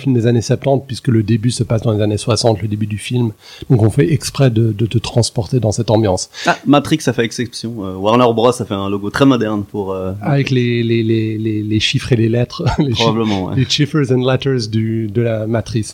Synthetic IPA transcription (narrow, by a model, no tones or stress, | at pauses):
filmd̪ezanesɛp̚t̪ɑ̃t̪̚pɥiskələd̪ebysəpasd̪ɑ̃lezaneswasɑ̃t̪ləd̪ebyd̪yfilm | d̪̥ɔ̃kɔ̃fɛʔɛkspχɛd̪əd̪ət̪ət̪χɑ̃spɔʁt̪ed̪ɑ̃sɛt̪ɑ̃bjɑ̃samat̪χiksafɛɛksɛpsjɔ̃øwaʁnœʁbʁɔsafɛɛ̃loɡot̪χɛmɔd̪ɛʁnpuʁøavɛkleleleleleʃifχelelɛt̪χleʁɔbabləmɑ̃wɛ̰leʃifɛzɛ̃nlɛt̪ɛʁzd̪yd̪əlamat̪χis